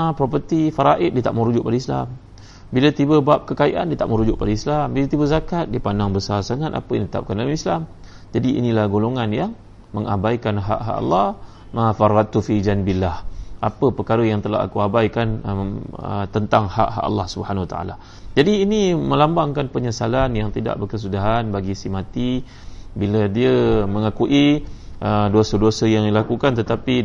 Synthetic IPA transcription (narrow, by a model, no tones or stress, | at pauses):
apɾop̬ət̪ifaɾaʔɪt̪̚diət̪aʔməɾud͡ʒʊʔ̚padəisla̰m | bilət̪ibəbap̚kəkaiʔa̰ndiət̪aʔməɾud͡ʒʊʔpadaislambilat̪ibəzakat̪̚diəpandaŋbəsarsaŋat̪a̰pəjaŋntit̪a̰p̚kandalmislam | d͡ʒadiḭnĩlahɡoloŋanjaŋ | məŋa̰bajkanɦa̰ʔɦa̰ʔa̰lːɑh | mafarat̪ufid͡ʒanbilːahʔapəpərkaɾəjaŋt̪əla̰ha̰kuabajkanəə̰t̪ənt̪aŋha̰ʔɦa̰ʔa̰lːɑhsubəhanawat̪a̰ʔa̰la | d͡ʒadiːnimə̃lambaŋkanpəɲəsalanjaŋt̪ida̰ʔbərkəs̬udaɦanbaɡisimãt̪i | bilədiəmə̃ŋakuʔiʔəduasəduosəjaŋdilakukant̪ət̪api